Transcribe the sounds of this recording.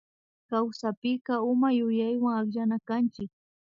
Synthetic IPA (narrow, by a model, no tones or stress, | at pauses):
kawsapɪɢɑʊmajʊjajwaŋaχʎanakant͡ʃɪk̚